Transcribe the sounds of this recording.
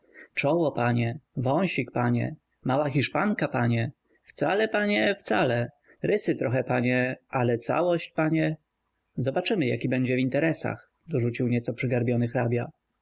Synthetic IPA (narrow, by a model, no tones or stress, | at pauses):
t͡ʂɔwɔpaɲɛvɔw̃ɕikpaɲɛ̰ | mawaxʲiʂpaŋkapaɲɛ | ft̪salɛpaɲɛft̪salɛ | ɾɘsɘt̪ɾɔxɛpaɲɛʔalɛt̪sa̰wɔɕt͡ɕpaɲɛ | zɔbat͡ʂɘmɘja̰kʲibɛɲd͡ʑɛvint̪ɛɾɛsa̰x | d̪ɔʐut͡ɕiwɲɛt̪sɔpʂɘɡaɾbʲjɔnɘxɾabʲja